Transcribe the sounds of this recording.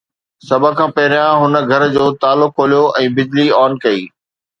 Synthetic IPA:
sɐbʱə̆kʰãːpɐɦɪɾjãɦʊnə̆ɡʱɐɾd͡ʑoːt̪aːlʊkɦoːlijoʔɛ̃ːbɪd͡ʑliɔːnkɐiː

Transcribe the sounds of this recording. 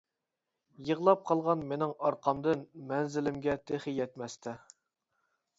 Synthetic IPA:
jəʁlˠɑp̚qʰɑlˠʁɑnmenɪŋɑɾqʰɑmd̪ɨnmɛnzɪlɪmɡʲɛt̪ʰeχɪjɛt̪mɛst̪ʰɛ

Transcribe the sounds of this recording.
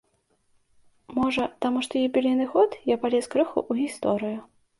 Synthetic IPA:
mɔʐɐt̪amuʂt̪ɔjibʲilʲinɨxɔt̪japalʲɛskɾɨxṵʔuɣʲist̪ɔɾɨju

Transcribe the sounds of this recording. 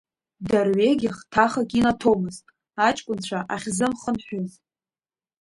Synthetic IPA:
darɥeɡʲaχtʰaχakʲʼinatʰo̞mɨztʼ | at͡ʃʼkʷʼʊnt͡ɕʷʰaʔaχʲzɨmχənħʷᶣʊz

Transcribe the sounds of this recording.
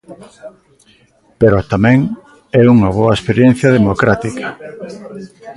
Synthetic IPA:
peɾot̪amɛ̃ŋ | ɛuŋɐβ̞oɐespeɾjen̟θjɐðemokɾat̪ikɐ̥

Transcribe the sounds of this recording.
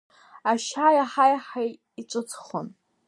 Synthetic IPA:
aʃajaħajaħaj | iʈ͡ʂʷʼɨt͡sʰʼχo̰n

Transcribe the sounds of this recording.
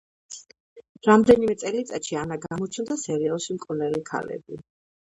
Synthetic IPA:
ɾamd̪ɛnimɛt̪sʼɛlit̪sʼat̪ʃianaɡamɔt͡ʃʰmd̪asɛɾiɔʃimkʼunɛlikʰa̰lɛ̰bi

